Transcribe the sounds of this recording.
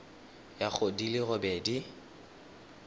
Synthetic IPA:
jak͡xʰodilɪɣʊbeːdi

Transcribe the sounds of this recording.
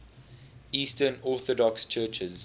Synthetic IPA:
iːstənɔˑθɔdɔkst͡ʃʰɜːt͡ʃəz

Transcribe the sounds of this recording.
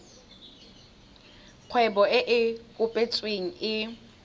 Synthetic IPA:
q͡χʰwɛɓɔɪʔɪkʼʊpʼet͡sʼweŋ̩ɪ

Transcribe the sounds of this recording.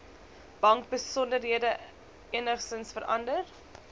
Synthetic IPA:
b̥ɐŋk̚bəsɔndərɦiədə | iənəχsənsfəɾɐndər

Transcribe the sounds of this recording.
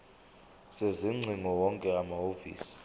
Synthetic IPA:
seziŋ͡ǀʱiŋɔwɔŋkʼɛamahofḭːsi̥

